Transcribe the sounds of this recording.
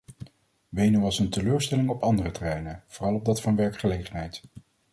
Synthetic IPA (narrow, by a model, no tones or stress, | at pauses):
ʋejnuwɑsəntəløːɹstɛlɪŋɔpɑndərətərɛjnəv̥oːrɑlˠɔb̚dɑtfɑnʋɛɹkχəlejχənɦɛjt